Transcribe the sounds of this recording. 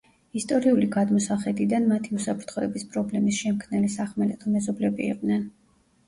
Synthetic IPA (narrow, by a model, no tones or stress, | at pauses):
ist̪ʼɔɾiuliɡad̪mɔsaχɛd̪id̪anmat̪ʰiusapʰɾt̪ʰχɔɛbispʼɾɔblɛmisʃɛmkʰnɛlisaχmɛlɛt̪ʰɔmɛzɔblɛbiḭqʼd̪nɛn